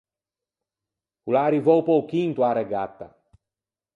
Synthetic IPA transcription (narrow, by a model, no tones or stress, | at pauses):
kulaːɾivowpowkint̪uaɾɛɡat̪ːa̰